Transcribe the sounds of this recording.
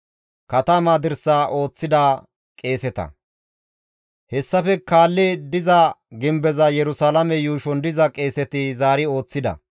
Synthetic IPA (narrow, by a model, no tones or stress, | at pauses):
kɐt̪ɐmaːd̪ɪɾsaːʔo̞ːt͡sːɪd̪aː | kʼe̞ːsɛt̪ɐ̰ | hɛsːɐfɛkaːlːed̪ɪzɐɡɪmbɛzɐjɛɾʊsaːlɐmɛjuːʃɔnd̪ɪzɐkʼe̞ːsɛt̪ɪzaːɾɪo̞ːt͡sːɪd̪ɐ̰